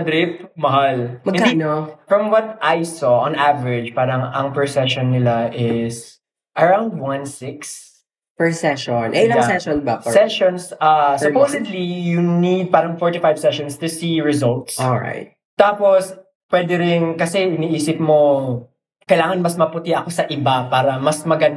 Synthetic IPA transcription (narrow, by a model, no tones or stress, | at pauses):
d̪ɾɪp̚mɐɦalmɐɡɪ̃kad̪inofɹɐmwɔt̪̚ʔajsɔʔɔ̃nʔavɛɹɪd͡ʒpaːɾɐŋɐŋpɛɹsɛʃɔnːɪlaʔɪs | ʔɐɹawnd̪̚wãnsɪks | pɛɹsɛʃɔnʔɛɐsɛʃɔnbasɛʃɔnsasɔpowsɛd̪lijunid̪̚paːɾɐŋfɔɹt̪ɪfajv̥sɛʃɔnst̪ʊsiɹɪzɔlt̪soɹa̰jt̪̚ | t̪aːpos | pwɛd̪ɛɾɪnkɐsɛʔɪniʔiːsɪp̚mo | kɐjlaːŋɐnmɐsmɐpʊt̪ɪʔɐkosɐʔɪbapaːɾɐmɐsmɐɡɐn